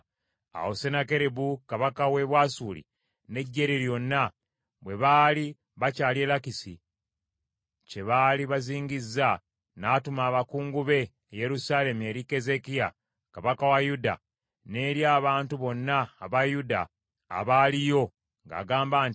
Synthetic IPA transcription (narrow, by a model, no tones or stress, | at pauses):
a̰wosenake̞ɾebukaβakawe̞βwasuːlḭ | ne̞ɟːe̞ɾiɾjo̞nːa | βwe̞βaːli | βacaːlie̞lakisḭ | ce̞βaːliβaziːɲɡizːa | naːtumaːβakuːŋɡuβe̞ː | je̞ɾusaːle̞mue̞ːɾike̞ze̞kija | kaβakawajuda̰ | ne̞ːɾjaːβaːntuβo̞nːaːβajuda̰ː | βaːlijo̞ | ŋɡa̰ːɡaːmbaːn